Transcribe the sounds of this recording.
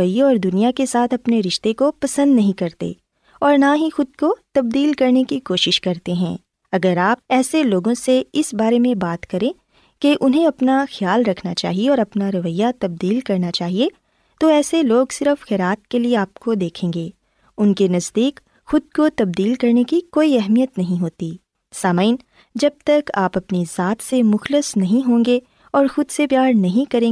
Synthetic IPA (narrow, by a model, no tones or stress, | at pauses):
əjeɔːɾd̪ʊnijakesaːt̪ʰɐpneɾɪʃt̪ekopɐsə̃nd̪nɐɦĩkɐɾt̪ḛ | ɔːɾnaɦixʊd̪̚kot̪ɐb̚d̪iːlkɐɾnekikoːʃɪʃkɐɾt̪eɦɛ̰̃ː | ɐɡəɾaːp̚ɛːseloːɡõseɪsbaːɾemẽbaːt̪kɐɾẽ | keʔʊnɦẽɐpnaxjaːlɾɐkʰnat͡ʃa̰ːɦieɔːɾɐpnaɾɐʋəjːat̪ɐb̚d̪iːlkɐɾnat͡ʃaːɦie | t̪oɛːseloːɡsɪɾəfxɛːɾaːt̪̚kelieaːp̚kod̪eːkʰẽːŋɡeː | ʊnkenɐzd̪iːk | xʊd̪̚kot̪ɐb̚d̪iːlkɐɾnekikoːiɛɦmijət̪nɐɦĩɦoːt̪i | saːmaɪn | d͡ʒɐb̚t̪ɐkaːpɐpnizaːt̪semʊxlɪsnɐɦĩɦõːŋɡe | ɔːɾxʊd̪sepjaːɾnɐɦĩkɐɾẽː